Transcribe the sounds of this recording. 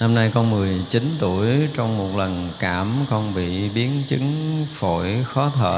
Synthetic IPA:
na˧mna˧jkɔ˧nmɨ˨˩əjt͡ɕi˨˦nt̪u˧˩əjt͡ɕɔ˧wŋ͡mmo˨˩t̚lə˨˩nkaː˧˩mkɔ˧nɓḭ˧˨ɓi˨˦ənt͡ɕɨ˨˦ŋfo˧˩˨jxɔ˨˦t̪ʰə̰ː˧˨

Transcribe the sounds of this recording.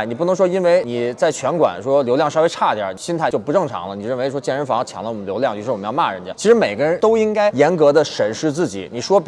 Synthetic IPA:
ni˨˩pu˥˩nɤ˧˥ŋʂwɔ˥i˥nwe˥˩ɪni˨˩t͡sa˥˩ɪt͡ɕʰɥɛ˧˥nkwa̰˨˩nʂwɔ˥ljo˧˥ʊljɑ˥˩ŋʂɑ˥we˧˥ɪʈ͡ʂʰa˥˩t̪jɑ̰˨˩˥ɕi˥nt̪ʰa˥˩ɪt͡ɕo˥˧˩pu˧˥ʈ͡ʂɤ˥˩ŋʈ͡ʂʰɑ̰˧˥ŋlə˧ni˨˩˧ɻə˥˩n˩e˧˥ɪʂwɔ˥t͡ɕjɛ˥˩nɻə˧˥nft͡ɕʰjɑ˧˥ŋlə˧wɔ˨mə˦nljo˧˥ʊljɑ˥˩ŋt͡ɕy˥˩ʂ̩˥˧wə˦˥jɑ˥˧˦ma̰˥˩ɻə̰˧˥nt͡ɕj̰t͡ɕʰi˧˥ʂɻ̩˧˥me˨˩ɪɡə˦ɻə˧˥nt̪o˥ʊi˥ŋka˥ɪjɛ˧˥nkɤ˧˥d̪ə˧ʂə˨˩nʂɻ̩˥˧t͡sɹ̩˥˩t͡ɕḭ˨˩˦ni˨˩ʂwɔ˥p

